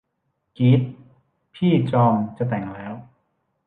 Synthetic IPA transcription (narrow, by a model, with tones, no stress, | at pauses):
ki˦˥t̪̚ | pʰiː˥˩t͡ɕɔː˧mt͡ɕa˨˩t̪ɛ˨˩ŋlɛː˦˥w